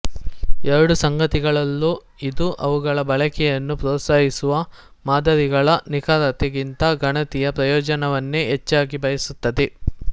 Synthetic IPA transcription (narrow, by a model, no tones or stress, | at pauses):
ɛɾɐɽusɐŋɡɐt̪iɡɐɭɐlːu | id̪uʔɐʋuɡɐɭɐbɐɭɐkɛjɐnːupɾɔːt̪saːɦisuʋɐ | maːd̪ɐɾiɡɐɭɐnikaːɾɐt̪eɡint̪ɐɡɐɳɐt̪ijɐpɾɐjɔːd͡ʒɐnɐʋɐnːeɦet͡ʃːaːɡibɐjɐsut̪ːɐd̪e